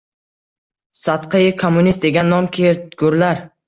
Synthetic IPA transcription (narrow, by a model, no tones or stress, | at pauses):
sat̪qʰɨjɪkʰomːʊnist̪̚d̪eɡʲanːɒmkʲʰeɾt̪ɡ̥ʊɾlaɾ